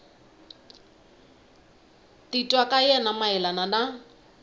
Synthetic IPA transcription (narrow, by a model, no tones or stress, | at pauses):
t̪itʼwakʼajɛnamaɛlanana